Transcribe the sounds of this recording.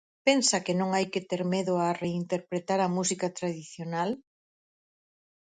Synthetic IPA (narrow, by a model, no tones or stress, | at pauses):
pensɐkenõŋajket̪eɾmeðʊareint̪eɾpɾet̪aɾɐmusikat̪ɾaðiθjonal